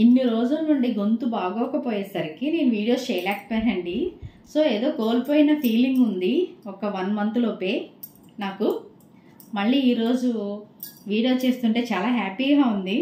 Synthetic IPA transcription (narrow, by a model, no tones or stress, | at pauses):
inːiɾo̞ːd͡ʒulnuɳɖiɡont̪ubaːɡɔːkɐpoːjɛsɐɾikine̞ːnuʋiːɽijo̞ːst͡ʃɛːjlaːkpːaːɾɐɳɖi | so̞ːeːd̪o̞ːkoːlpo̞ːjinɐpʰiːliŋɡund̪iɔkɐʋɐnmɐnt̪ulopeː | naːku | mɐɭːiːiːɾo̞ːd͡ʒu | ʋiːɽijo̞ːt͡ʃe̞ːst̪uɳʈe̞ːt͡ʃaːlaːɦaːpiːɡaːund̪i